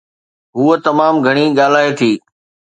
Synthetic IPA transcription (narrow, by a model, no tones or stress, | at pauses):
ɦuːət̪ɐmaːmɡʱɐɽ̃iɠaːl̤aːet̪ʰiː